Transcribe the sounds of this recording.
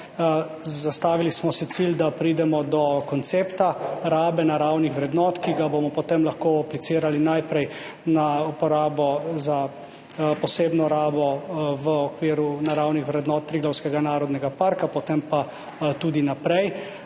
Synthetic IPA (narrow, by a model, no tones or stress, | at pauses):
zast̪aːʋilismɔsɛt̪sild̪apɾiːd̪ɛmɔd̪ɔkɔnt̪seːpt̪aɾaːbɛnaɾawnixʋɾɛd̪nɔːt̪kiɡabomɔpɔt̪emlaxkoaplitsɪːɾalinajpɾɛj | naupɔɾaːbɔza | pɔseːbnɔɾaːbɔʋəɔkʋiːɾunaɾawnixʋɾɛd̪nɔːt̪̚ːɾiːɡlɔwskɛɡanaːɾɔd̪nɛɡapaɾkapɔt̪empa | t̪uːd̪inapɾɛj